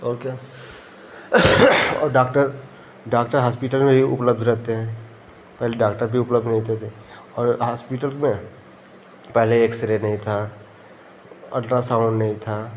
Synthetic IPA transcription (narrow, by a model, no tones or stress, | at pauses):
ɔːka | ɔ̰ːɾɖaːkʈəɾ | ɖaːk̚ʈəɾɦaːspɪʈəlmẽbʱiʊ̰pləbd̪ʱɾɛɦt̪eɦɛ̃ː | pɛɦleɖaːk̚ʈəɾbʱiʊpləbd̪ʱnɐɦĩt̪et̪ʰe | ɔːɾɦaːspɪʈəlmẽ | pɛɦleeːksɪɾenɐɦĩt̪ʰaː | ɐ̰ɖɾasãʊ̃ɳɖnɐɦĩt̪ʰaː